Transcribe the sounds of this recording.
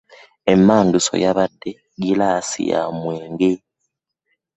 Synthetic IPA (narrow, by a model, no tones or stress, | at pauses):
emːaːnduso̞̰jaβadːe̞ | ɡilaːsḭja̰mweːŋɡe